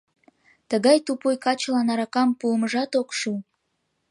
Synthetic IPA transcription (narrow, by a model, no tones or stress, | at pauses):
t̪əɣɑjt̪upujkɑt͡ɕlɑnɑɾɑkɑmpuəməʒɑt̪okʃu